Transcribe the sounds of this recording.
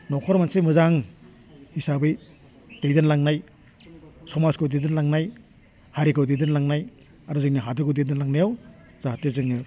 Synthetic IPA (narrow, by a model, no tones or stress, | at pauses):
nɔkʰɔɾmansemɯzaŋ | hisabɯj | d̥ejdɯnlaŋnaj | sɔmaskʰɯwdejdɯnlaŋnaj | haɾikʰɯwdejdɯnlaŋnaj | aɾuzɯniɦadɯɾkɯwdedɯnlaŋnajaw | z̥atezɯŋɯ